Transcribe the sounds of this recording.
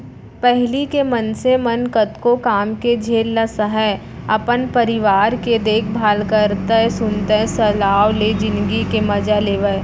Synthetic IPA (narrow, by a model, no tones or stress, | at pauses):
pɛɦlikemɐnsemɐənkət̪kokaːmked͡ʒʱeːlːasəɦə | ɐpənpəɾɪʋaːɾked̪eːkʰbʱaːlkəɾt̪əsʊnt̪əsɐlaːwled͡ʒɪ̃nd̪ɡikemɐd͡ʒaleːʋə